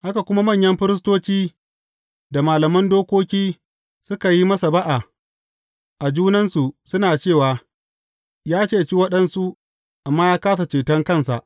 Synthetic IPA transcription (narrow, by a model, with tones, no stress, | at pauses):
ha˦ka˨kʷʊ˦ma˦mɐ˦˨ɲjɐ˦mɸɪ˦ɾɪ˦s̬toː˦t͡ʃiː˦ | da˨maː˨lɐ˨mɐ˦ndoː˦kʷoː˦kʲiː˦ | sʊ˦ka˨ji˦mɐ˦sa˨ba˦ʔa˨ | ʔa˨d͡ʒuː˦nɐ˦nsu˨sʊ˦naː˨t͡ʃeː˦˨waː˨ | jaː˦t͡ʃeː˦˨t͡ʃi˦wɐ˦ɗɐ˦nsu˦ | ʔa˨mːaː˦jaː˦kaː˦sa˨t͡ʃeː˨tɐ˦ŋkɐ˦˨nsa̰˨ʔ